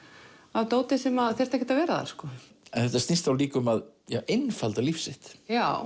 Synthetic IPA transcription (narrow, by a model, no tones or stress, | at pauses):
awt̪oːwt̪ɪsɛmaðθɛɾ̥t̪ɛhcːɛt̪avɛːɾaða̰ɾ̥skɔ | ɛnθɛft̪ast̪ɪst̪awliːkʏmaðjaːwenfalt̪alifsɪht̪jaw